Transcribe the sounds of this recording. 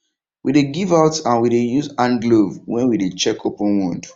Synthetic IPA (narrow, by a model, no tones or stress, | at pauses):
wideɡivaʊtãnwidejuzãnɡlovwɛ̃nwidet͡ʃɛkʰopɔ̃nwũnd